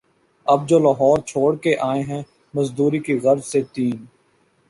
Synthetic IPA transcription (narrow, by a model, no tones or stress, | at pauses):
ɐb̚d͡ʒoːlaːɦɔːɾt͡ʃʰoːɽkeʔaːẽɦɛ̃ | mɐzd̪uːɾikiɣɐɾzset̪iːn